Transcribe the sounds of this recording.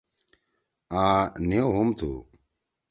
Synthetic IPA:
ãːneoɦumt̪ʰṵː

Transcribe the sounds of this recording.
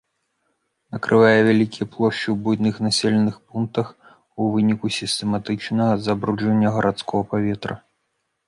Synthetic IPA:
nɐkɾʔɨvajɛvʲalʲikʲijplˠɔʂt͡ʃiwbujnɨxnasʲɛlʲɛnɨxpunk̚t̪ɐx | uvɨnʲikusʲist̪ɛmat̪ɨt͡ʂnɐɣɐzɐbɾud͡ʐvɐnʲːɐɣɐɾʔat̪skɔɣɐpavʲɛt̪ɾɐ̰

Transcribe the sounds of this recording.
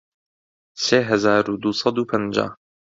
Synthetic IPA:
seːɦɐzaːɾud̪uːsɑd̪uːpʰənd͡ʒa̰ː

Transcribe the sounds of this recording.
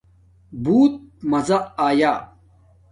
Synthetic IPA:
buːt̪̚mɐzaaːjaː

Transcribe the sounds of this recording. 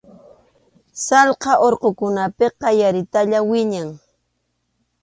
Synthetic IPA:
sɑlqɑʔoɾqokʊnapeqɑjaɾɪt̪aʎawɪɲaŋ

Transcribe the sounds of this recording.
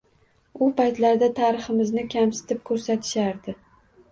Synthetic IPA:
ʊpʰajt̪laɾd̪at̪ʰaːɾɪχɪmɪznɪkʲʰamsɪ̥t̪ʰɪp̚kʰɵɾsat̪ʰɪ̥ʃaɾd̪ɪ

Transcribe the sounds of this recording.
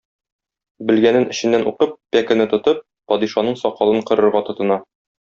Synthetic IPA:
bɘ̆lɡænɘnɘ̆ɕɘ̆nːænʔuqɤp̚ːækɘ̆nɘt̪ŏt̪ɤp̚ːɒd̪iʃɑnɤɴsɒqɑlˠɤɴqŏɾɤ̆ɾʁɑt̪ŏt̪ɤ̆nɑ

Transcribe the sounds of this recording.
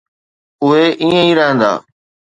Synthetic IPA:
ʊɦeʔiːə̃ĩːɾəɦə̃ːnd̪a̰ː

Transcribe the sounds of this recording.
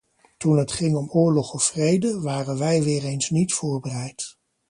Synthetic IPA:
tunɦətχɪŋɔmʊːɹlɔχɔfːrejdəʋaːrənʋɛjʋɪːrejnsnitfʊːɹbərɛjt

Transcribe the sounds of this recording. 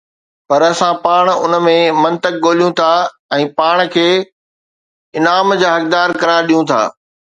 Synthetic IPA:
pɐɾɐsãpaːɽ̃ʊn̆mẽmɐ̃nt̪ək̚ɠoːlijũt̪ʰa | ɛ̃ːpaːɽ̃kʰeː | ɪnaːmd͡ʑaːɦɐk̚d̪aːɾkɐɾãɗijũt̪ʰa̰ː

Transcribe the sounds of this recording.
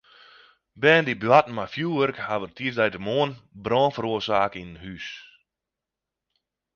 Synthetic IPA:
bɛːndiblatmafjuːʋərkhaʋərtʰiːzdɛjtəmoːənbrɔːnfəɾuərsaːkinəhys

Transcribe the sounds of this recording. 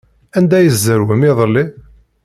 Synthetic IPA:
ænd̪æjəzːəɾwəmiðˤəlːi

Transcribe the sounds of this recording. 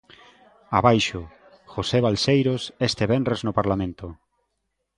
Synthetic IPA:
aβajʃo | xoseβalsejɾosest̪eβɛnreznopaɾlamẽnt̪o

